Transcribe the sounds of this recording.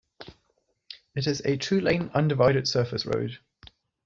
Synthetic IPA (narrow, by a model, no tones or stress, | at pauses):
ɪtɪzətʰɹ̥ʉːlẽɪ̃nʌ̃ndɪvaɪɾɪd̥sɜˑfɪsɹə̰ʊd̥